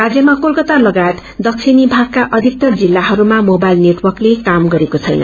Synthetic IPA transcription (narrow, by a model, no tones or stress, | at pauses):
rad͡zjʌmakolkʌt̪alʌɡaet̪ | d̪ʌksʰinibʱaɡ̚kaʔʌd̪ʱik̚t̪ʌrd͡zilːaɦʌɾumamobajlneʈwʌrklekamɡʌɾekot͡sʰʌjnʌ̰